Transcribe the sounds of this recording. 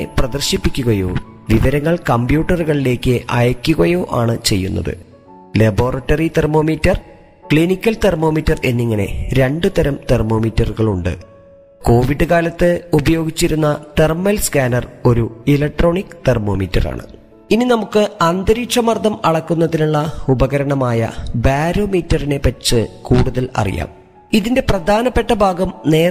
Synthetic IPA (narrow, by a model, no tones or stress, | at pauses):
prɐd̪ɐrɕipːikʲːuɣɐjo̰ː | ʋiʋɐɾɐŋːɐɭkɐmbjuːʈːɐruɣɐɭile̞ːkːɨʔɐ̰jɐkʲːuɣɐjoːʔaːɳɨt͡ɕe̞jːṵnːɐ̰ðɨ̰ | lebo̞ːrɐʈːɐrit̪ermo̞ːmitːɐr | kɭinikʲːɐlt̪ermo̞ːmitːɐre̞nːiŋːɐne̞̰ɾe̞ɳɖɨt̪ɐɾɐmt̪ermo̞ːmitːɐrɣɐɭuɳɖɨ̰ | ko̞ːʋiɖɨkaːlɐt̪ːɨubɐjo̞ːɡit͡ɕːiɾunːɐt̪ermelskaːnɐro̞ɾuilɐk̚ʈro̞ːɳikːɨ̥t̪ermo̞ːmḭtːɐ̰ra̰ːɳɨ̰ | ininɐmukːɨɐnd̪ɐɾiːʂɐmɐrd̪ʱɐmɐɽɐkːunːɐðinuɭːɐubɐɣɐɾɐɳɐmaːjɐ̰baːɾoːmiːtːɐrine̞pɐt͡ɕːɨkuːɽuðɐlɐ̰rḭja̰ːm | iðinde̞prɐd̪ʱaːnɐpːe̞ʈːɐbʱaːɡɐmne̞ː